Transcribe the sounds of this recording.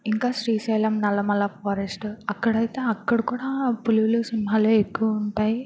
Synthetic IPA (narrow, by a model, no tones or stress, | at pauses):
iŋkaːʃɾiːʃɛːlɐmnɐlːɐmɐlːɐfoːɾesʈɐkːɐɽɐjt̪eːɐkːɐɽɐkuːɽaːpuluʋulusinmɦaːloːekːuʋɐuɳʈaːji